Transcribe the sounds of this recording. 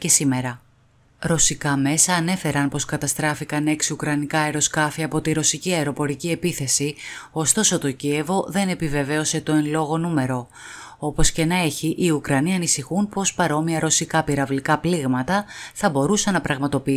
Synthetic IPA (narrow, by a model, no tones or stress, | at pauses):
esime̞ɾɐ | ɾo̞sikɐme̞sɐːne̞fe̞ɾɐnpo̞skɐt̪ɐst̪ɾɐfikɐne̞ksukɾɐnikɐeɾo̞skɐfiɐpo̞t̪iɾo̞siciɐeɾo̞po̞ɾicie̞piθe̞sio̞st̪o̞so̞t̪o̞cie̞vo̞ðe̞ne̞pive̞ve̞o̞se̞t̪o̞enlo̞ɣo̞nume̞ɾo̞ | o̞po̞sce̞nɐe̞çiʔiukɾɐniɐnisixunpo̞spɐɾo̞miɐɾo̞sikɐpiɾɐvlikɐpliɣmɐt̪ɐθɐbo̞ɾusɐnːɐpɾɐɣmɐt̪o̞pii